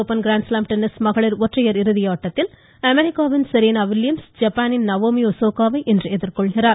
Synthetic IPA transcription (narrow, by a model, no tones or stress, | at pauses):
oːpːɐnɡɾaːnslaːmʈɛnːɪsmɐɣɐɭɪɾɔʈrɐjɐɾɪɾɯðɪjaːʈːɐt̪ːɪl | ɐmɛɾɪkːaːʋɪnsɪɾeːnaːʋɪljɐmsd͡ʒɐpːaːnɪnnɐʋoːmiɔsoːkaːʋɐɪʔɛndrɯɛðɪɾkɔɭɣɪraːɾ